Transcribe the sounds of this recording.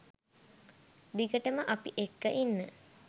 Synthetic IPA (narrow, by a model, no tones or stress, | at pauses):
d̪ikəʈəməʔɐpḭʔekːəʔinːə